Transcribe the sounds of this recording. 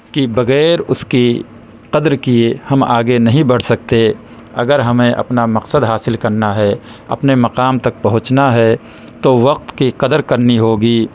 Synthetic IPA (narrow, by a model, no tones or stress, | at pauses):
kibɐɣɛːɾʊski | qɐd̪ɾkiehɐmaːɡenɐɦĩbɐɽ̤sɐk̚t̪e | ɐ̰ɡəɾɦɐmẽʔɐ̰pnamɐqsəd̪ɦaːsɪlkɐɾnaɦɛ | ɐ̰pnemɐqaːmt̪ɐk̚pɐɦʊ̃t͡ʃnaɦɛ | t̪oʋɐq̚t̪kiqɐd̪əɾkɐɾniɦoːɡiː